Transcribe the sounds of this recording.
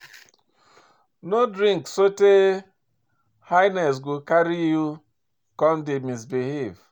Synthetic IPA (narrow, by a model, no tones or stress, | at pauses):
nodɾĩŋksote | hajnɛs̬ɡokaɾiju | kɔm̩dɪmis̬beɦev